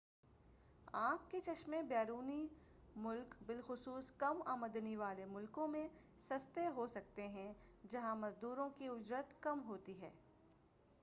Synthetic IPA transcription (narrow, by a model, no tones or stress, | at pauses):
ãːkːet͡ʃɐʃmẽbɛːɾuːni | mʊlkbɪlxʊsuːskɐma̰ːməd̪niʋaːlemʊlkõmẽ | sɐst̪eɦosɐk̚t̪eɦɛ̃d͡ʒɐɦãmɐzd̪uːɾõkiʊd͡ʒɾət̪kɐmɦoːt̪iɦɛː